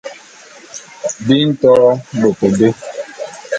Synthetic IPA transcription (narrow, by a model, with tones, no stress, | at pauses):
dɪ˦n̩˦tɔ˦ɾɔ˦bo˨po˨de˦